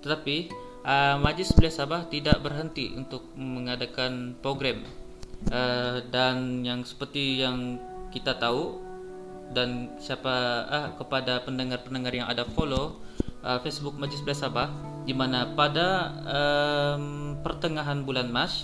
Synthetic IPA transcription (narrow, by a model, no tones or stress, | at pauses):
t̪ət̪api | ʔəmad͡ʒɪsbəlasabaht̪idaʔbərɦənt̪iʔṵnt̪ʊk̚məŋadakanpɾoɡɾɛm | ədanjaŋsə̥pərt̪ijaŋkit̪at̪au | dansiapaəhkəpadapəndəŋarpəndəŋarjaŋa̰dafolo | ʔəfesbʊk̚mad͡ʒɪsbəlasabah | dimanapadaəmpərt̪əŋaɦanbulanmat͡ʃ